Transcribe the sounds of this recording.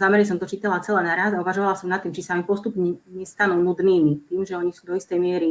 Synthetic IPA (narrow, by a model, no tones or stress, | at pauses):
zamɛɾɲs̬ɔmt̪ɔt͡ʃiːt̪alat͡sɛlɛːnaɾazauʋaʒɔʋalasɔmnat̪ːiːmt͡ʃisaamipɔst̪upɲɛɲɛst̪anuːnud̪niːmit̪iːmʒɛɔɲisuːd̪ɔist̪ɛjmɪɛɾi